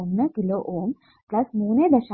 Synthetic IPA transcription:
ənnəkiloʔom | plɐsmunẽd̪əɕa

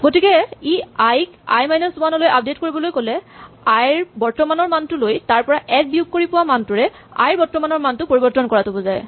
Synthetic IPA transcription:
ɡotikɛiajka̰jmajnɔsumanɔlojap̚detkoɹibɔlojkolɛ | ajɹbɔɹtɔmanɔɹmantʊlojtaɹpɔɹaʔɛk̚bijuɡ̚kːoɹipʊwamantʊɹɛ | a̰jɹbɔɹtɔmanɔɹmantʊpoɹibɔɹtɔnkɔɹatʊbɔzaj

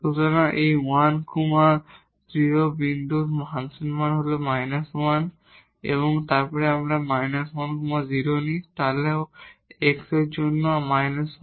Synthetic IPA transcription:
kut̪anaʔejwankuma | dɾiɾobind̪umɦansinmanɦolomajnaswan | ḛβoŋt̪aɾpɔɾeamɾamajnaswankumaziɾonit̪aleoeksed͡ʒonːomajnas

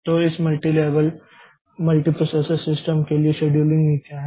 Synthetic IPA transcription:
t̪oisməlʈiːleʋəl | məlʈiːpɾosesəɾsisʈəmkeliɕeɖjulĩŋɡikaɦe

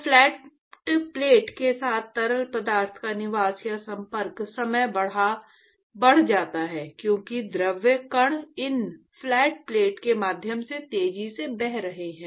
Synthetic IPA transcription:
fʰlɛːʈ | ʈpleːʈkesaːt̪̚ʰt̪ɐɾəlpəd̪aːɾt̪ʰkanɪʋaːsjasɐ̃mpəɾksɐməjbɐɽ̤a | bɐɽ̤d͡ʒaːt̪aɦɛːkjõːkid̪ɾəʋjəkəɽ̃ɪn | fʰlɛːʈpleːʈkemaːd̪ʱjəmset̪eːd͡ʒisebɛɦɾɐɦeɦɛ̃ː

